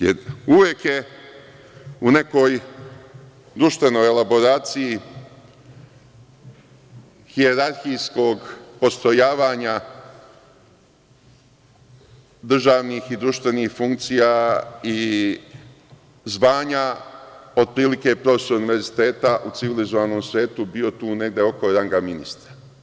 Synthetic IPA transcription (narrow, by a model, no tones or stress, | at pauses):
jeɾuʋje̞kje̞ | une̞ko̞j | d̪ɾuʃt̪ʋe̞no̞jelabo̞ɾaːt̪siji | hieɾaɾxijsko̞ɡpo̞st̪ojaːʋaːɲa | d̪r̩ʒaːʋniːxid̪ɾuʃt̪ʋe̞niːxfuŋkt̪sijai | zʋaːɲa | o̞d̪̚pɾiːlike̞pɾo̞fe̞souniʋe̞ɾzit̪e̞ːt̪aʔut̪siʋilizo̞ʋaːno̞ːmsʋje̞ːt̪ubio̞t̪uːne̞ɡd̪e̞o̞ko̞ɾaŋɡaminist̪ɾa